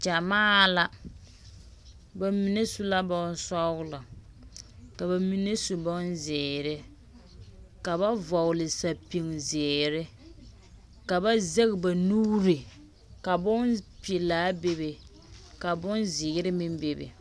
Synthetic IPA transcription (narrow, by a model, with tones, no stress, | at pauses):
t͡ʃa˨maː˦la˦ | ba˨mi˨ne˦su˦la˦bɔ˦n˦sɔ˦ɡʊ˦la˨ | ka˨ba˨mi˨ne˦su˨bɔ˦nzɪ˨ɾɪ˦ | ka˨ba˦vɔ˨wʊ˨lɪ˨sa˨pi˨ŋzɪː˨ɾɪ˦ | ka˨ba˦ze˦ɣba˨nuː˦ɾɪ˨ | ka˨bʊ˦npi˨laː˦be˦be˨ | ka˨bʊ˦nzɪ˨ɣɪ˦ɾɪ˦mɪ˦mbe˨bḛ˨